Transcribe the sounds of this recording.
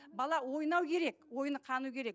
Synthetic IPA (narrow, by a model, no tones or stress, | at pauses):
bɑlˠɑwo̞jnɑwkʲʰe̞ɾe̞kwo̞jnəqʰɑnukʲʰe̞ɾe̞k